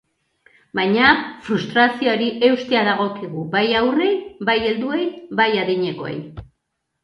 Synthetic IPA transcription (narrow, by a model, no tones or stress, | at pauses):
bajɲafɾust̪ɾasiooɾiʔe̞wst̪e̞aðaɣ̞o̞kiɣubajawre̞jbaje̞ld̪ue̞jβajaðiɲe̞ko̞ḛj